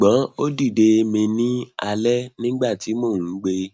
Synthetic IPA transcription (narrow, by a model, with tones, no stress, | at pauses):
ɡ͡bã˨˦o˦di˦˨de˧mĩ˧nĩ˦a˧lɛ˦nĩ˦ɡ͡ba˦˨ti˨˦mo˦˨ũ˨˦ɡ͡be˧